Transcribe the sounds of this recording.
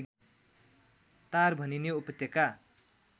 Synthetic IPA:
t̪arbʱʌnineupʌt̪eka

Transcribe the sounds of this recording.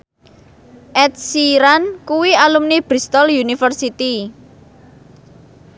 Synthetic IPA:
ʔɛt̪̚siɾankuwialumnib̥ɾist̪ɔljunifərsit̪i

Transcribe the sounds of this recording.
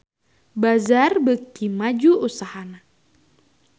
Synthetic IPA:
bazarbək̚t̪imad͡ʒuusahana

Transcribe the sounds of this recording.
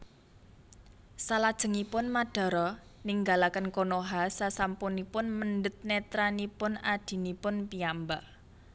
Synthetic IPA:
salad̥ʒ̥ə̤ŋipʊnmaɖ̥ɔ̤ɾɔniŋɡalakənkonoɦasasampunipʊnmənɖət̪̚net̪ɾanipʊnad̥i̤nipʊnpiambaʔ

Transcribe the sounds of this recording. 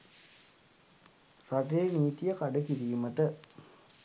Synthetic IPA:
rɐʈeːniːt̪ijɐkɐɖɐkiɾiːmɐt̪ə

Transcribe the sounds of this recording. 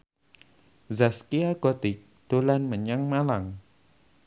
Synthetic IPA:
zaskiaɡɔt̪ik̚ | d̪̥olanməɲaŋmalaŋ

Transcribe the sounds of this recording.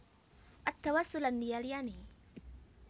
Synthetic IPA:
ʔat̪ːawasːʊlanːijaljani

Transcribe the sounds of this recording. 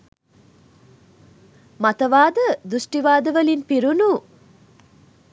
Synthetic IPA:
mɐt̪ɐʋaːd̪əd̪usʈiʋaːd̪əʋɐlinpiɾunu

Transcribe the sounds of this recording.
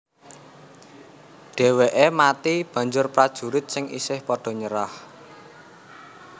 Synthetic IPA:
ɖ̥e̤weʔemat̪ib̥ä̤ɲd͡ʒʊrpɾad̥ʒ̥ṳɾɪt̪̚sɪŋʔḭsɪhpɔɖ̥ɔ̤ɲəɾah

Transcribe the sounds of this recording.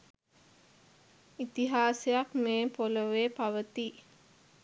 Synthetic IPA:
it̪iɦaːsejakmeːpoləʋeːpaʋət̪i

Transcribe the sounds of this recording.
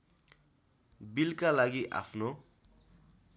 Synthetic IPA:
bilkalaɡiʔa̰pʰno

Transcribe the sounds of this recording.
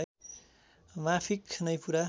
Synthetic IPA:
a | mapʰiknʌjpuɾa

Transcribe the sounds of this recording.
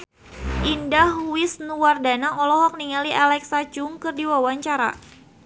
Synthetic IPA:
ʔindahuwɪsnuwardanaʔɔlɔɦɔk̚niŋaliʔalɛksad͡ʒʊŋkɨrdiwawaɲt͡ʃaɾa̰

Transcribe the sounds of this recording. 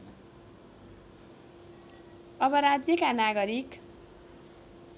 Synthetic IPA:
ʌbʌɾad͡zjʌkanaɡʌɾik

